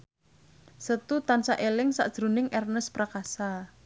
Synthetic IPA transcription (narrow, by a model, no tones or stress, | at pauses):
sət̪ut̪ansaʔelɪŋsa̰ʔd̥ʒ̥ɾunɪŋʔɛrnəspɾakasa